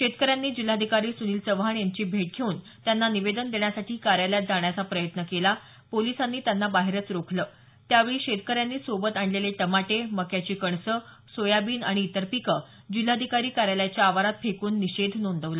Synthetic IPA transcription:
ɕet̪kəɾjanːiːd͡ʑil̤ad̪ʱikaɾiːsuniːlt͡səʋɦaɳjaɲt͡ɕiːbʱeʈ̚ɡʱeuːn | t̪janːaniʋed̪ənd̪eɳjasaʈiːkaɾjaljat̪̚d͡zaɳjat͡sapɾəjət̪nəkela | polisanːiːt̪janːabaɦeɾət͡sɾokʰləː | t̪jaʋeɭiːɕet̪kəɾjanːiːsobət̪aɳleleʈəmaʈeməkjat͡ɕiːkəɳsə | sojabiːnaɽ̃iːt̪əɾpikə | d͡ʑil̤ad̪ʱikaɾiːkaɾjaljat͡ɕjaːʋaɾat̪̚pʰekuːnːiɕed̪ʱnond̪əʋlə

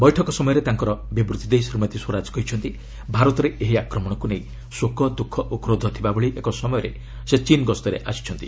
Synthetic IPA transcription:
bɔjʈʰɔkɔsɔmɔjɔɾet̪aŋkɔɾɔbibɾut̪id̪ejsɾimɔt̪iswɔɾad͡ʒɔ̥kɔɦit͡ʃʰɔnt̪i | bʱaɾɔt̪ɔɾeʔeɦiakɾɔmɔɽ̃ɔkuneĩ | swokɔd̪ukʰːɔʔukɾod̪ʱɔt̪ʰibabɔɭiʔekɔsɔmɔjɔɾe | set͡ʃinɡɔst̪ɔɾḛʔa̰si̥t͡ʃʰɔnt̪i

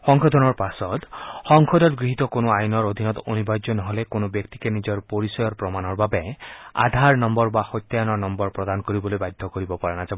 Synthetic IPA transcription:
xɔŋkʰɔd̪ʱɔnɔɹpasɔd̪hɔŋkʰɔd̪ɔt̪ɡɹiɦit̪ɔkonɔajnɔɾod̪ʱinɔt̪onibad͡ʒjɔnɔɦolekonɔbjɔkt̪ikenid͡ʒɔɾpoɾisɔjɔɾpɾɔmanɔɾbabea̰d̪ʱaɾnɔmbɔɾbaxɔjt̪ːjanɔnɔmbɔɾpɾɔd̪anɔkɔɾibɔlojbajd̪ʱːɔkɔɾibɔpaɾanad͡ʒa

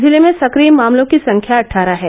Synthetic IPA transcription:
zɪlemẽsɐkɾiːmːaːmlõkisɐ̃ŋkʰjaɐʈʰːaːɾaɦɛː

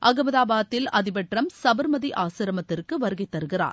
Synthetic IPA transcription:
ʔɐɡɐmɐðaːbaːt̪ːɪlɐðɪbɐʈrɐmsɐbɐɾmɐðiʔaːsɪɾɐmɐt̪ːɪrkɯʋɐɾɯɣɐɪt̪ːɐɾɯɣɪra̰ːɾ

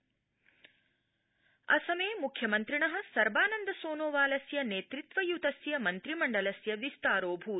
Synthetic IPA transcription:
ɐ̰sɐmeːmukʰjɐmɐnt̪ɾiɳɐɦɐ̆sɐɾbaːnɐnd̪ɐsoːnoːʋaːlɐsjɐneːt̪ɾit̪ʋɐjut̪ɐsjɐmɐnt̪ɾimɐɳɖɐlɐsjɐʋist̪aːɾoːbʱuː

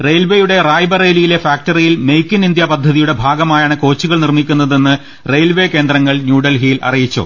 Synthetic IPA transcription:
re̞ːlʋejuɽe̞raːjbɐreːlijile̞faːk̚ʈɐrijilme̞jkʲːinind̪japɐd̪ʱːɐðijuɽe̞bʱaːɡɐmaːjaːɳɨko̞ːt͡ɕːuɣɐɭnirmikʲːunːɐðe̞nːɨ | re̞ːlʋe̞ke̞ːnd̪rɐŋːɐɭnjuːɽɐlɦiːlʔɐ̰rijit͡ɕːo̰ː

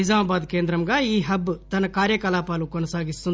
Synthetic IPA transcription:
id͡ʒaːmɐbaːd̪ke̞ːnd̪ɾɐmɡɐiːɦɐbːt̪ɐnːɐkaːɾjɐkɐlaːpaːlukɔnɐsaːɡist̪un

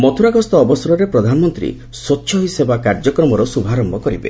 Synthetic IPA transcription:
mɔt̪ʰuɾaɡɔst̪ɔːbɔsɔɾɔɾepɾɔd̪ʱanɔmɔnt̪ɾḭ | sotːʃʰɔɦisebakaɾd͡ʒɔkɾɔmɔɾɔsubʱaɾɔmbʱɔkɔɾibḛ

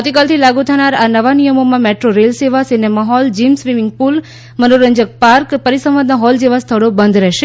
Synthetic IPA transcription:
awt̪ikalt̪ʰilaɡut̪ʰanaɾanəʋanijəmomãmeʈɾoɾelseʋasenemaɦɔld͡ʒimsʋimɪŋɡ̚pul | mənoɾəɲd͡ʒək̚paɾkpəɾisə̃ʋad̪naɦɔld͡ʒeʋast̪ʰəɽobə̃nd̪ɾɛɦʃe

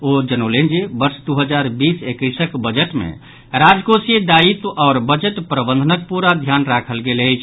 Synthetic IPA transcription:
od͡ʒənolend͡ʒibəɾsd̪uɦəd͡ʒaɾbisekəjsəkbəd͡ʒəʈmḛ | ɾad͡ʒkosiəd̪ait̪ɔːɾbəd͡ʒəʈpɾəbə̃nd̪ʱənək̚puɾad̪ʱjanɾakʰəlɡeləjt͡ʃʰ

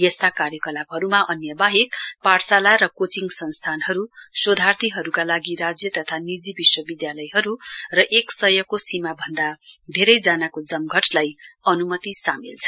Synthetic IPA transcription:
jʌst̪akaɾjʌkʌlab̚ɦʌɾumaʔʌnjʌbaɦekparsalaɾʌkot͡siŋɡsʌnst̪ʰanɦʌɾusod̪ʱart̪ʰiɦʌɾukalaɡiɾad͡zjʌt̪ʌt̪ʰanid͡zibiswʌbid̪jalʌjɦʌɾurʌʔeksʌjʌkosimabʱʌnd̪ad̪ʱeɾʌjd͡zanakod͡zʌmɡʱʌʈlajʌnumʌt̪isamilt͡sʰʌ̥

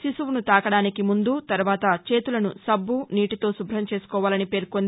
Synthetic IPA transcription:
sisuʋunut̪aːkɐɽaːnikimund̪ut̪ɐɾuʋaːt̪ɐt͡ʃe̞ːt̪ulɐnusɐbːuniːʈit̪o̞ːsubʱɾɐmt͡ʃe̞ːsu̥kɔːʋaːlɐnipe̞ːɾkond̪

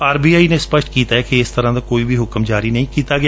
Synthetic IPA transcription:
aːɾbiːaːineːspəʃʈkiːt̪aːɦɛːkɪɪst̪əɾãːd̪aːkoːiːbʱiːɦʊkəmd͡ʒaːɾiːnəĩkiːt̪aːɡɪ

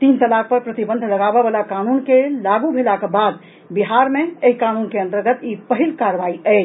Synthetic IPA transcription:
t̪int̪əlak̚pəɾpɾət̪ibə̃nd̪ʱləɡabebalakanunkelaɡubʱelakebad̪ | biɦaɾmeeɦikanunkeə̃nt̪əɾɡət̪ipəɦilkaɾʋaiə

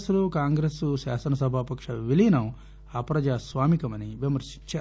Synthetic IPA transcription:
slukaːŋɡɾesuʃaːsɐnɐsɐbʱaːpɐkʂɐʋilinɐm | ɐpɾɐd͡ʒaːsʋaːmikɐmɐniʋjɐmɐɾʃi̥ɲt͡ʃɐ

